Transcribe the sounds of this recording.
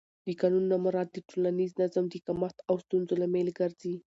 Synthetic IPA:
d̪əkɑnunːamaɾɑd̪ːəʈʰolaniznazamd̪əkamat̪awst̪unzolamelɡaɾzi

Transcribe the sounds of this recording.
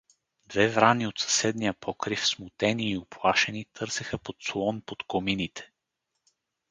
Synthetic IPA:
d̪vɛvɾaniot̪sɐ̥sɛd̪nijəpʰɔkɾifsmʊt̪ɛniːoplˠaʃɛnit̪ʰɤɾsɛxəpot̪slˠɔnpot̪kominit̪ʰɛ̥

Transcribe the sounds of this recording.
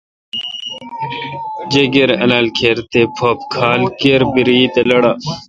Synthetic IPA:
d͡ʑeɡeɾɐnɐlkʰeɾt̪epʰopkʰaːlkeɾbiɾiːt̪elɐɽa

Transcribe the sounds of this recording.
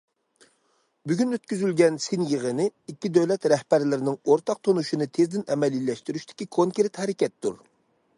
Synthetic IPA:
byɡʲynøt̪kʲyzylɡʲɛnsɪnjəʁənɪikʲːid̪øwlɛt̪ɾɛhbæɾlɪɾɪnɪŋoɾt̪ʰɑq̚t̪ʰonuʃinɨt̪ʰezd̪ɪnɛmɛlilɛʃt̪yɾyʃt̪ʰɪ̥kʲikʰoŋkʲeɾt̪hɛɾɪkʲɛt̪ːṵɾ

